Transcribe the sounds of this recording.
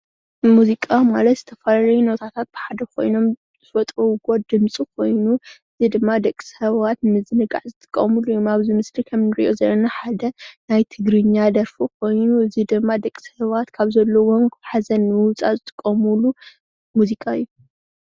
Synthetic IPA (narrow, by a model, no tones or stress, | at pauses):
muzikʼamalɐt̪z̥ɨt̪ʰɐfɐlalɐjunot̪ʰat̪ʰat̪̚b̥ɨħad̪ɐkʰo̞̰jno̞m | z̥ɨfɐt̪ʼɾɐwɡo̞d̪ɨmt͡sʼikʰo̞jnuɨzid̪ɨmːad̪ɐkʼi̥sɐβat̪mɨzɨnɨɡa̰ʕzɨt̪ʼɨ̥kʼːɐmulujumaβzimɨslikʰɐmnɨɾḭʔo̞zɐlːɐnaħad̪ɐnajt̪ʰɨɡɾɨɲːad̪ɐɾfukʰo̞jnuɨzid̪ɨmːad̪ɐkʼisɐβat̪kʰaβzɐlːɐwomħazɐnːɨwʊt͡sʼa̰zɨt̪ʼɨ̥kʼːɐmulu | muzikʼajːu